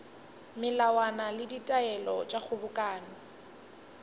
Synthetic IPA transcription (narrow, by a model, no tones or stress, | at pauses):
mɪlawanalɪditʼaɛlɔt͡ʃʼak͡xʰʊbʊkʼaːnɔ